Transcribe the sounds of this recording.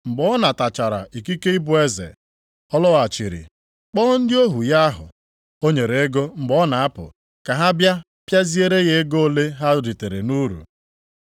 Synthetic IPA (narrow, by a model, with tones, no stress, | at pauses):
ŋ͡m̩˨ɡ͡bɔ˦na˨ta˨t͡ʃa˨ɾa̰˨i˨ki˦ke˦i˦bʊ˦e˦zḛ˨ | ɔ˦lɔ˦a˨t͡ʃi˨ɾḭ˨ | k͡pɔ˦n̩˦dɪ˦o˦ɦu˨ja˦a˦ɦʊ̰˨ | o˦ɲe˨ɾe˨e˦ɡo˦ŋ͡m̩˨ɡ͡bɔ˦na˨a˦pʊ̰˨ | ka˨ɦa˦bja˦ | pja˦zi˦e˦ɾe˦ɣe˦ɡo˦o˦le˦ɦa˦di˨te˨ɾe˨nu˦ɾṵ˨